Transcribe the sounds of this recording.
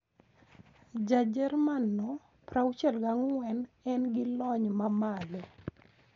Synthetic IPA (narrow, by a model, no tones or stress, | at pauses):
d͡ʒad͡ʒɛrmanːɔ | pɾawt͡ʃɛlɡaŋwɛnɛnɡɪlɔɲmamalɛ